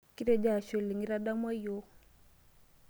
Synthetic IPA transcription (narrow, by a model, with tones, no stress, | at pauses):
ki˦ɾɛ˦d͡ʒa˨ʃɔ˨li˨ŋi˦ɾa˦ɗa˦mwa˦jo˦